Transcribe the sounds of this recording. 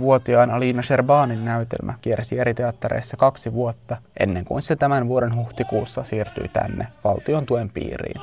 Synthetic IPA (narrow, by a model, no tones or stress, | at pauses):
ʋuot̪iɑːnɑliːnɑʃerbɑːninːæyt̪ḛlmʔæ̰k̟iersieɾit̪eɑt̪ːɑɾḛjsːɑkɑksiʋuot̪ːɑʔe̞̰nːeŋkṵinset̪æmænʋuo̞denɦuht̪ikuːsːɑsiːrt̪y̰jt̪æ̰nːeʋɑlt̪io̞nt̪ue̞mpḭːrḭːn